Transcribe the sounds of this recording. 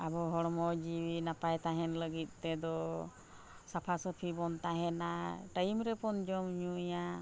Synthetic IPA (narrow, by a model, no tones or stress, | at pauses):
abɔɦɔɽmɔd͡ʒiwinapajt̪aɦɛnləɡit̪̚ˀt̪ɛd̪ɔ | sapʰasəpʰibɔnt̪aɦɛnaʈajmɾɛpɔnd͡ʒɔmɲuja